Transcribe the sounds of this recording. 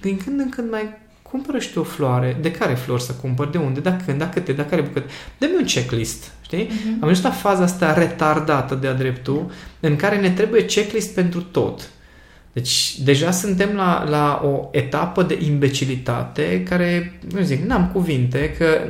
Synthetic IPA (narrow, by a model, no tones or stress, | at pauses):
d̪iŋkɨnd̪ɨŋkɨnd̪maj | kʰumpəɾəʃt̪uo̞floaɾed̪e̞kaɾe̞flo̞rʲsəkumpərd̪e̞und̪e̞d̪akʰɨnd̪akɨt̪ːed̪akaɾebukət̪ed̪emeunt͡ʃeklist̪ | ʃt̪iamust̪lafazaast̪aɾe̞t̪ard̪at̪əd̪ead̪ɾe̞pt̪uɨŋkaɾe̞ne̞t̪ɾe̞buje̞t͡ʃe̞klist̪̚pe̞nt̪ɾut̪o̞̰t̪ | d̪̥e̞t͡ʃʲd̪e̞ʒasɨnt̪e̞mla̰lao̞e̞t̪apəd̪e̞̰ʔimbe̞t͡ʃilit̪a̰t̪e̞kaɾe̞numziknamkuvint̪̬e̞kʰə